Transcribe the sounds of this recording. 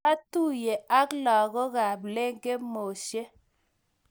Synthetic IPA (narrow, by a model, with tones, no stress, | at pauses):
a˦tu˦je˨a˦klɔ˨ɣɔ˦ɣa˨ble˦ŋɡe˦mo˨ʃe˦